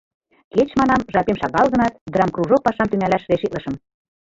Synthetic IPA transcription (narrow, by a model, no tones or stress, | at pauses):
ket͡ɕmɑnɑmʒɑpemʃɑɣɑlɣɤ̆nɑt̪̚d̪ɤ̆ɾɑmkruʒok̚pɑʃɑmt̪yŋælæʃɾeʃiʔ̪lɤ̆ʃɤ̆m